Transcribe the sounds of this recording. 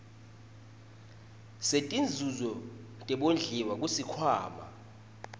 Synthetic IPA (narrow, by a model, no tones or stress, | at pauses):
setʼind͡zʱuzɔtʼɛɓond͡ɮʱiwak̬usikʰwaːma̰